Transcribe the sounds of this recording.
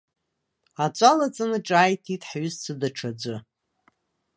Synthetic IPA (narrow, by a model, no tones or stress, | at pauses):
at͡ʃʷʼalat͡sʼɨnɨʈ͡ʂʼaːjtʰitʼħɥʊzt͡sʰɨdaʈ͡ʂʰad͡ʒʷɨ